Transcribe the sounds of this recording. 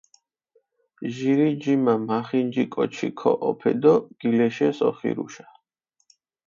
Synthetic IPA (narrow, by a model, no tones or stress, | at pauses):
ʒiɾid͡ʒimamaχind͡ʒikʼɔt͡ʃʰḭkʰɔ̰ʔɔpʰɛ̰d̪ɔɡ̥ilɛʃɛsɔ̰χḭɾṵʃḁ